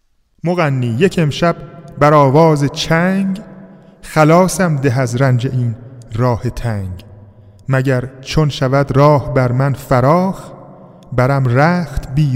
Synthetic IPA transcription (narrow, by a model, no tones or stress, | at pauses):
moɣænːiːjecʰe̞mʃæbbæɾɒːvɒːzet͡ʃʰæŋɡ | xælɒːsæmd̪eɦæzɾænd͡ʒe̞ʔiːnrɒːhet̪ʰæːŋɡ | mæɟæɾt͡ʃʰonʃævæd̪ɾɒːhbæɾmænfæɾɒːx | bæɾæmɾæːxt̪ʰbiː